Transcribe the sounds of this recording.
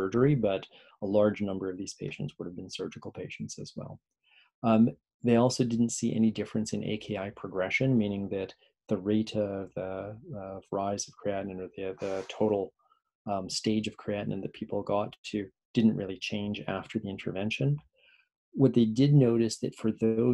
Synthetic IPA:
ɜ˞d͡ʒə˞ibʌɾ | əlɑɹd͡ʒnʌ̃mbə˞ʌvðiz̥pʰeɪʃn̩tswʊɾɨvbɨ̃n̩sɜ˞d͡ʒɨkl̩ˠpʰeɪʃn̩tsɨ̰zwɛ̰lˠ | ðeɪɔlˠsoʊdɪdⁿn̩tsiʔɛ̰nidɪfɹɨ̃nsɨ̃nḛɪkʰeɪaɪpʰɹ̥ɨɡɹɛʃɨ̃nmĩnɪ̃ŋðɨt̪̚ | ðɨɹeɪɾʌvðɨʌvɹaɪzʌv̥kʰɹ̥iæʔn̩ɨ̃nə˞ðɨðɨtʰoʊɾl̩ˠ | steɪd͡ʒʌv̥kʰɹ̥iæʔnɨ̰̃nðɨpʰipl̩ˠɡɑtʰɨ | d̥ɪdⁿn̩ʔɹʔɪlˠit͡ʃʰẽɪ̃nd͡ʒæ̰ftʰə˞ðiɪ̃ntʰə̰˞vɛ̃nʃɨ̃n | wʌt̪̚ðeɪdɪdⁿnoʊɾɨsðɨ̰tfə˞ðoʊ

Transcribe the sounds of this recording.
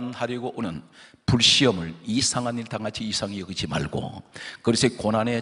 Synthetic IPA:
nhaɾjʌɡoʔonɯn | puɭɕ͈iʌmɯɭisʰaŋaɲiɭt̪aŋat͡ɕʰiːsʰaŋijʌɡɯd͡ʑima̰ɭɡo̰kɯɾesʰʌkonane̞

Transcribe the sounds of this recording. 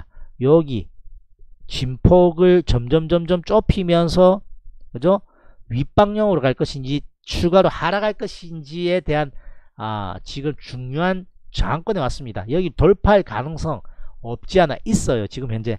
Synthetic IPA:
jʌɡḭ | t͡ɕimpʰoɡɯɭt͡ɕʌmd͡ʑʌmd͡ʑʌmd͡ʑʌmt͡ɕ͈opʰimjʌns̬ʰʌkɯd͡ʑo | ɥip͈aŋɲʌŋɯɾokaɭk͈ʌɕʰind͡ʑi | t͡ɕʰuɡaɾohaɾaɡaɭk͈ʌɕʰind͡ʑie̞te̞ɦana̰t͡ɕiɡɯmt͡ɕuŋɲoɦant͡ɕʌŋɦaŋkwʌnewas͈ɯmɲida̰jʌɡit̪oɭpʰaɭka̰nɯŋs͈ʰʌŋʌp̚t͡ɕ͈iana̰ʔis͈ʌjot͡ɕiɡɯmçjʌŋd͡ʑe̞̰

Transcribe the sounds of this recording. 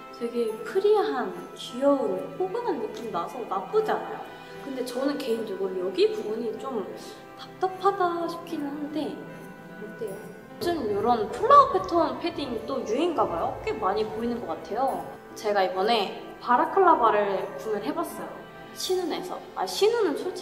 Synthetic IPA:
teɡepʰɯɾiɦankijʌɯɾopʰoɡɯnɦanmuk͈ʰimnasʰʌnap͈ɯd͡ʑana̰jo̰ | kɯnde̞t͡ɕʌnɯnke̞induɡojʌɡipubuɲit͡ɕ͈om | tap̚t͈apʰadaɕʰi̥pkʰinɯnɯnde̞ | ɯt͈e | d͡ʑɯmjoɾʌnpʰɯɭːapʰe̞tʰonpʰe̞diŋit͈ojuinɡabajoʌk͈ʰemaɲipoinɯnɡʌk͈atʰe̞jo | t͡ɕe̞ɡaibʌne̞ | paɾakʰɯɭːabaɾɯɭpunɯɭɦe̞bas͈ʌjo | ɕʰinune̞sʰʌ̰a̰ɕʰinunɯnt͡ɕʰot͡ɕ͈ʰ

